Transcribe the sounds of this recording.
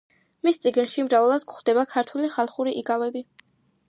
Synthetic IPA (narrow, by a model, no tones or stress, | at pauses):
mist̪sʼiɡnʃimɾavɛlˠad̪̥kχd̪ɛbakʰaɾt̪ʰwɛliχalˠχuɾiʔiɡavɛbi